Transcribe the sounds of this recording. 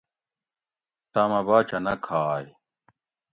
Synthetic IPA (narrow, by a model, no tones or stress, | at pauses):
t̪aːmɐbaːt͡ɕʰɐnɐkʰaːj